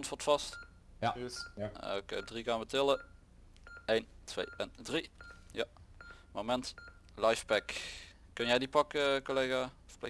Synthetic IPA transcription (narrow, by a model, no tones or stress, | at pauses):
ntʋotfɑst | o̰kḛdriɣaːnbətɪlˠə | ejntʰʋḛjɛndrijamomɛnt | lajfpɛk | kɵnjɛjdipɑkəkolejɣaːfplḛ